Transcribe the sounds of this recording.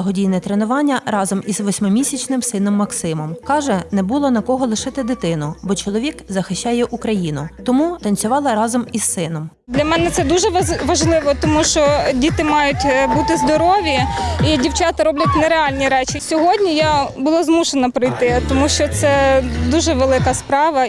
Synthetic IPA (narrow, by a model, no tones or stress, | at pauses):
ɐɦɔdʲijnɛt̪ɾenʊʋɑnʲːɐɾɑzɔmizʋɔsʲmɪmʲisʲɐt͡ʃnɪmsɪnɔmːɐksɪmɔmkɑʒɛnɛbulˠɔnɐkɔɦɔlˠɪʃɪt̪ɪd̪ɪt̪ɪnʊbɔt͡ʃɔlˠɔʋʲikzɐxɪʃt͡ʃːɑjɛʔukɾɐjinʊt̪ɔmut̪ɐnʲt͡sʲʊʋɑlˠɐɾɑzɔmisːɪnɔm | d̪lʲɐmɛnɛt̪sɛd̪uʒɛʋɐʒlˠɪʋɔt̪ɔmuʃt͡ʃɔdʲit̪ɪmɑjʊtʲbut̪ɪzd̪ɔɾɔʋʲiidʲiwt͡ʃɑt̪ɐɾɔblʲɐt̚ʲnɛɾeɑlʲnʲiɾɛt͡ʃisʲɔɦɔdʲnʲijabʊlˠazmuʃenɐpɾɔjt̪ɪt̪ɔmuʃt͡ʃɔt̪sɛd̪uʒɛʋelˠɪkɐspɾɑʋɐ